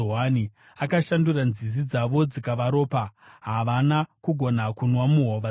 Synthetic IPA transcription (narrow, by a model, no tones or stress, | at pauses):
ɦani | akaʃanduranzizid͡zaʋo̞d͡zikaʋaɾo̞ːpaɦaʋanakuɡʱo̞nakunwamuɦoʋa